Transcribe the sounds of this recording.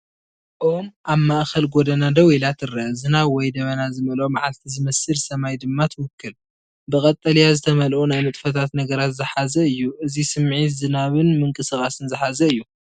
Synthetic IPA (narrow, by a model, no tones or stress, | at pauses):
ʔomʔaβmaʔxɐlɡod̪ɐnad̪ɐwilat̪ʰɨɾɐzɨnawɔjd̪ɐβɐnazɨmɐlomaʕalt̪ʰizɨmɐsɨlsɐmajd̪ɨmːat̪ʰɨwʊkːɨl | bɨkʼɐt̪ʼːɐlijazɨt̪ʰɐmɐlʔonajmɨt̪ʼfɐt̪ʰat̪nɐɡɐɾat̪zɨħazɐɨjːuʔɨzisɨmʕizɨnaβɨnmɨŋkʼɨsɨkʼasɨnzɨħazɐɨjːu